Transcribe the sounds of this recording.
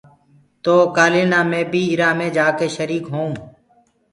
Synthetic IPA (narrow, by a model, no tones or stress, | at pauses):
t̪oːkaːleːnaːmẽːbʱiːɪɾaːmẽːd͡ʒaːkeːʃəɾiːkɦõː